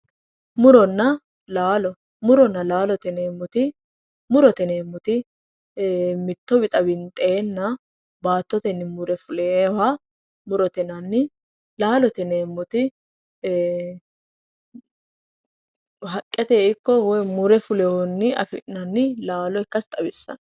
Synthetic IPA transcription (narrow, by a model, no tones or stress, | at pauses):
mʊɾɔnːɐ | laːlɔ | mʊɾɔnːɐlaːlɔt̪ɛneːmːʊt̪ɪ | mʊɾɔt̪ɛneːmːʊt̪ɪ | mɪt̪ːɔbɪt̪ʼɐbɪnt̪ʼːeːnːɐ | baːt̪ːɔt̪ɛnːɪmʊɾɛfʊlewa | mʊɾɔt̪ɛnɐnːɪ | laːlɔt̪ɛneːmːʊt̪ɪ | ɦɐkʼːɛt̪eːɪkːɔwɔjmʊɾɛfʊlɛwɔnːɪɐ̰fɪɐnːɪlaːlɔɪkːɐst̪ʼɐbɪsːɐ̰n